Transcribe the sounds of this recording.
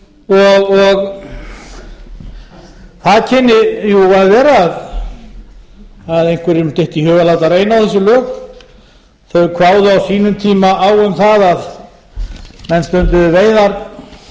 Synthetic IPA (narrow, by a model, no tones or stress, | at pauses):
ɔɣɔɣ | θaðcʰɛnːɪjuvaðvɛːɾað | aðejn̥kvɛɾɪmt̪ɪht̪ihœːvalawt̪areːjnawθɛsːʏlœːk | θœɥɣkʰvaːwðʏawsiːnʏmt̪ʰiːmaaːwʏmθaðað | mɛnst̪œnt̪ʏðveːjðaɾ